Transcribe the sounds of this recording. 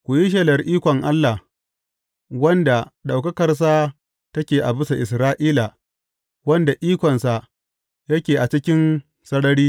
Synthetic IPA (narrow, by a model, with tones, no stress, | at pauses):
kʷu˨ji˦ʃ̬ɐ˦lɐ˨rʔiː˦kʷɔ˨ŋʔa˦lːa˨h | wɐ˦nda˨ɗa˨wkɐ˦kɐ˨rs̬a˦ | tɐ˦kʲeː˨ʔa˨bɪ˦sa˨ʔɪ˨sɾaː˦ʔiː˦la˨ | wɐ˦nda˨ʔiː˦kʷɔ˨nsa˨ʔ | jɐ˦kʲeː˨ʔa˨t͡ʃɪ˦kʲɪ˦n | sɐ˦ɽɐ˦ɽiː˦